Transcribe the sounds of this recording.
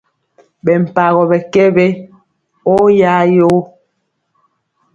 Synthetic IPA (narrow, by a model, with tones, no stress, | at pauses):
bɛ˨m̩˨pa˨ɣɔ˨bɛ˨kɛ˦be˦ | o˦ja˦jo˦